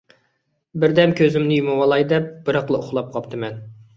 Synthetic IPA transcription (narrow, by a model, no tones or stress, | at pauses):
bɪɾd̪ɛmkʲʰøzɪmnɪjumɨwɑlˠɑjd̪ɛp̚b̥ɨɾɑqlˠɨʊχlˠɑp̚qʰɑpt̪ʰɨmɛn